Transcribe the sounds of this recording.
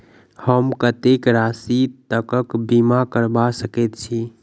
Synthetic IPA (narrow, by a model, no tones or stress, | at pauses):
həmkət̪ekɾasit̪əkəkbimakəɾbasəket̪̚t͡ʃʰi